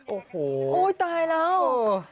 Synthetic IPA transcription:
ʔoː˨˩hoː˩ʔoː˧˥jt̪aː˧jlɛː˦˥w

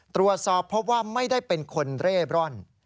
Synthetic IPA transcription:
t̪ɾu˨˩ət̪̚sɔː˨˩pʰːo˦˥p̚waː˥˩ma˥˩jdaː˥˩jpe˧nkʰo˧nɾeː˥˩bɾɔ˥˩n

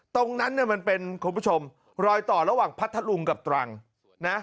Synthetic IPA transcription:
t̪o˧ŋna˦˥nːi˥˩ɐma˧npe˧nkʰnpʰu˦˥t͡ɕʰo˧m | ɾɔː˧jt̪ɔː˨˩ɾa˧waː˨˩ŋpʰa˦˥t̪ʰːa˧lu˧ŋka˨˩p̚t̪ɾa˧ŋ | na˦˥

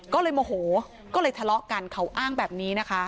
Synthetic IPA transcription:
kɔː˥˩lɤː˧jmɔː˧ɦoː˩˦ | kɔː˥˩lɤː˧jt̪ʰa˧lɔ˦˥ʔka˧nkʰa˦˥wʔaː˥˩ŋbɛː˨˩p̚niː˦˥na˦˥kʰa˦˥

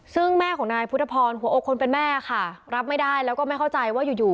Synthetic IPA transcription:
sɯ˥˩ŋmɛː˥˩kʰɔː˩˦ŋnaː˧jpʰu˦˥t̪ʰa˧pʰɔː˧nɦu˩˦ʔoː˧kʰːo˧npe˧nmɛː˥˩a˧kʰa˥˩ɾa˦˥p̚ma˥˩jda˥˩jlɛ˦˥kɔː˥˩ma˥˩jkʰa˥˩wt͡ɕa˧jwaː˥˩juː˨˩juː˨˩

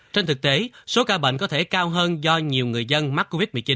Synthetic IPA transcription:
t͡ɕɛ˧nt̪ʰɨ˨˩k̚t̪e˨˦so˨˦kaː˧ɓə̰˧˨ŋ̟kɔ˨˦t̪ʰe˧˩kaː˧wɦəː˧nzɔ˧ɲi˨˩əwŋɨ˨˩əjzə˧nma˦˥t̚kːo˧vi˦˥t̚m˨˩t͡ɕi˨˦n

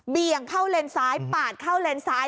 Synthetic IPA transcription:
bi˧əŋkʰa˥˩wle˧nsaː˦˥jpaː˨˩t̪̚kʰa˥˩wle˧nsaː˦˥j

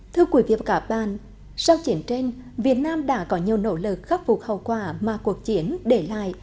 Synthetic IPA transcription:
t̪ʰɨ˧əkwi˨˩˦vḭ˧˨ə˩kaː˨˦ɓa̰ː˧˨n | sa˧wt͡ɕi˨˦ənt͡ɕe˧nvi˨˩ət̚naː˧mɗa̰ː˧˥kɔ˨˦ɲi˨˩əwno̰˧˥lɨ˨˩k̚xa˦˥p̚fu˨˩k͡p̚hə̰˨˩wkwaː˧˩maː˨˩ku˨˩ək̚t͡ɕi˨˦ənɗe˧˩la̰ː˧˨j

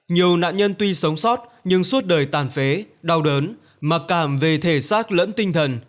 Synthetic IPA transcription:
ɲi˨˩əwna̰ː˧˨nɲə˧nt̪wi˧sə˨˦wŋ͡msɔ˦˥t̚ɲɨ˧ŋswu˦˥ət̚ɗəː˨˩jt̪aː˨˩nfe˨˦ɗa˧wɗəː˨˦n | ma˨˩t̚kaː˧˩mve˨˩t̪ʰe˧˩saː˦˥k̚lə̰˧˥nt̪ï˧ŋ̟t̪ʰə˨˩n

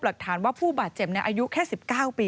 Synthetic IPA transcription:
pla˨˩k̚t̪ʰaː˩˦nwaː˥˩pʰuː˥˩baː˨˩t̪̚t͡ɕe˨˩p̚ni˧˥˧jʔaː˧ju˦˥kʰɛː˥˩si˨˩p̚kaː˥˩wpiː˧

